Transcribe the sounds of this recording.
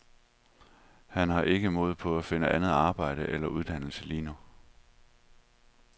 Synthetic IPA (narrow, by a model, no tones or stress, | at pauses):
hænhɑ̈ʔe̝ɡ̥əmoːð̞̩ˠpʰɒ̽æfe̝nəʔænð̩ˠɑ̈ːb̥ɑ̈ɪ̰ɾ̥əʔelɐʔuð̞ˠd̥æn̰l̩səliːno